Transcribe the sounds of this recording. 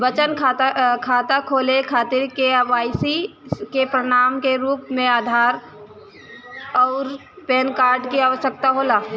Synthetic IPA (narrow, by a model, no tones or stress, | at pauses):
bət͡ʃənʰkʰaːt̪akʰoːlekʰaːt̪ɪɾkeʋaːɪsikepɾəɽ̃aːmkeɾuːpmẽaːd̪ʱaːɾ | ɔːɾ | peːnkaːɾɖkiaːʋəʃjək̚t̪aɦoːlaː